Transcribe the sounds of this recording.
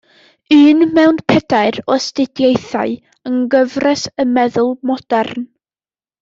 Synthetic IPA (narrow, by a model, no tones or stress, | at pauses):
ɨːnmɛwnpʰɛdaɨɾɔstɪdjejθa̰ɨ | əŋɡəvrɛsəmɛðʊlˠmɔd̥ɛrn